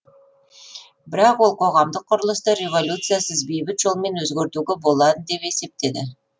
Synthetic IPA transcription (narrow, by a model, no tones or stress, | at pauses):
bɪɾɑqwo̞lˠqʰo̞ʁɑmd̪əqʰːʊɾəlˠəst̪əɾʲe̞vo̞lʲut̪sɨjasəzbe̞jbɪt̪ʒ̥o̞lˠme̞nwɵzɡʲeɾt̪uɡʲebo̞lˠɑd̪əd̪e̞pe̞se̞p̚t̪e̞d̪ɪ